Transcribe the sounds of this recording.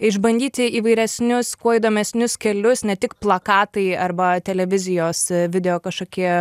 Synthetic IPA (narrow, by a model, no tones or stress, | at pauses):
ɪʒbɐnʲd̪ʲiːt̪ʲɪiːʋɐɪɾʲɛsʲnʲʊskuɔid̪oːmʲɛsʲnʲʊskʲɛlʲʊsnʲɛt̪ʲɪkplˠɐkɑːt̪ɐɪɐrbɐt̪ʲɛlʲɛʋʲɪzʲɪjoːsʋʲɪd̪ʲɛjoːkɐʃkoːkʲiɛ